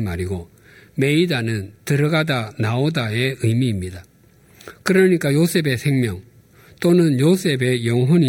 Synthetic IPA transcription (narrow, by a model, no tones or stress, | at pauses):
maɾiɡo | me̞idanɯntɯɾʌɡadanaodae̞ɯmiːmɲida | kɯɾʌɲik͈ajos͈ʰe̞be̞sʰe̞ŋmjʌŋ | t͈onɯnjos͈ʰe̞be̞jʌŋɦʌɲi